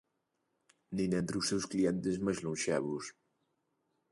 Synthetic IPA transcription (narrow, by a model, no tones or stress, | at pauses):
ninɛnt̪ɾusewskliɛnt̪ezmezlunʲʃɛβus